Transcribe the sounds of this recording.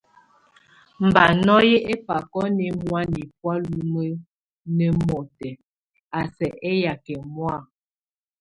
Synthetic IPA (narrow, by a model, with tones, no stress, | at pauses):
m̩˨ba˨nɔ˦je˦ʔe˦pa˨kɔ˦ne˨mwa˦ni˨p̚wa˦lu˦mə˦ | ne˨mɔ˨tɛ˨ | a˨sɛ˨ʔe˦ja˨kɛ˨mwa˦˨